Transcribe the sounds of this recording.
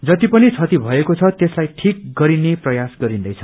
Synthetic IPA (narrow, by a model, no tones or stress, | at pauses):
d͡zʌt̪ipʌnit͡sʰʌt̪ibʱʌekot͡sʰʌt̪eslajʈʰik̚ɡʌɾineprʌjasɡʌɾind̪ʌjt͡sʰʌ